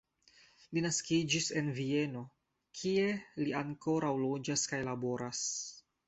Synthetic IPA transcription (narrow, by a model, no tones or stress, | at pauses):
linaskid͡ʒise̞nvie̞no̞ | kʰie̞liaŋko̞ɾawlo̞d͡ʒaskajlabo̞ɾas